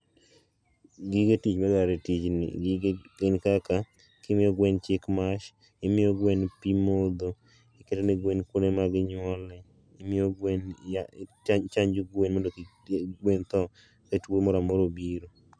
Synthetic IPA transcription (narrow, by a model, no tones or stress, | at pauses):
ɡiɡetit͡ʃmaɡaɾetit͡ʃnɪ̰ɡɪɡɡenkaka | kɪmɪjɔɡwɛnt͡ʃɪkmaʃ | ɪmɪjoɡwenpimod̪o | ɪketenɪɡwenkonemaɡɪɲwɔlɛ | ɪmɪoɡwen | t͡ʃaɲd͡ʒoɡwenmondoki | ɡwent̪ɔ | ketwomɔɾamɔɾobiɾo